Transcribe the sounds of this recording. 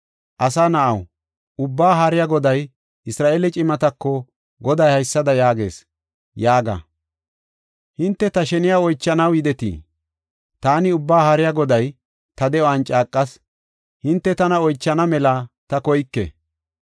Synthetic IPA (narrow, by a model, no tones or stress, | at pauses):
ʔɐsanɐʔɐw | ʔʊbːaːɦaɾɪjaɡɔd̪ɐj | ʔɪsɾaːʔeːlɛt͡ʃʼɪmɐt̪ɐkːɔ | ɡɔd̪ɐjhɐjsːɐd̪ɐjaːɡe̞̰ːs | jaːɡɐ̰ | hɪnt̪ːɛt̪ɐʃɛnɪjaːɔjt͡ʃːɐnɐwjɪd̪ɛt̪ḭː | t̪aːnɪʊbːaːhaɾɪjaɡɔd̪ɐj | t̪ɐd̪ɛɔɐnt͡ʃʼaːkʼːɐs | hɪnt̪ːɛt̪ɐnɐɔjt͡ʃːɐnɐmɛlɐt̪ɐkɔjkːɛ̰